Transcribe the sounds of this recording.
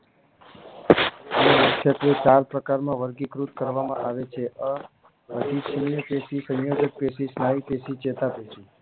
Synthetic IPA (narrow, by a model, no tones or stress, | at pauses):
nemikʰːjət̪ɾet͡ʃaɾpɾəkaɾmãʋəɾɡikɾut̪̚kəɾʋamã̰ʔaʋet͡ʃʰeʔə | əd̪ʱiʃʰinijəpesisə̃jjod͡ʒək̚peʃisnaipesit͡ʃet̪apeʃi